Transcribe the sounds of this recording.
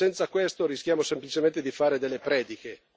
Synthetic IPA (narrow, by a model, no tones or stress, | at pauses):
ɛnt̪sakwest̪oɾiskʲjaːmosemplit͡ʃement̪ed̪ifaːɾed̪elːepɾɛːd̪ike